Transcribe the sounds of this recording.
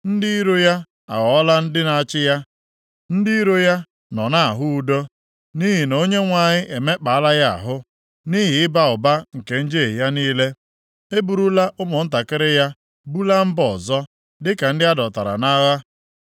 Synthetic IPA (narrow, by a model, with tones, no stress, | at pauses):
n̩˦dɪ˦i˦ɾo˦ja˦ | a̰˨ɣɔ˨ɔ˦la˦n̩˦dɪ˦na˨a˦t͡ʃɪ˦ja˦ | n̩˦dɪ˦i˦ɾo˦ja˦ | nɔ˨na˦a˨ɦʊ˦u˨do˦ | ni˦ɦi˨no˨˦ɲe˦ŋʷa˨ɲɪ˦ʔe˨me˦k͡pa˨a˦la˦ja˦˨a̰˨ɦʊ˦ | ni˦ɦɪ˨ɪ˦ba˨ʊ˨ba˦ŋ̩˨ke˨n̩˦d͡ʒe˦˨ɦja˦niː˦le˦ | e˦bu˨ɾu˦la˦ʔʊ˦mʊ˨n̩˦ta˨kɪ˦ɾɪ˦ja˦ | bu˦la˦m̩˦bɔ˨zɔ˦ | dɪ˦ka˨n̩˦dɪ˦a˦dɔ˨ta˨ɾa̰˨na˦ɣa˦